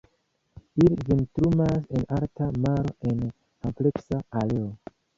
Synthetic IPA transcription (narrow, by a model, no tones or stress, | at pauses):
ilivintɾumase̞naɾtamaɾo̞ʔe̞n | ample̞ksaale̞o